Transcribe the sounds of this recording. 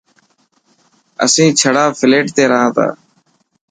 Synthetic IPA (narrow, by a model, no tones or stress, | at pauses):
ə̰sĩːt͡ʃʰəɽaːfʰɪleːʈt̪eːɾəɦãːt̪a̰ː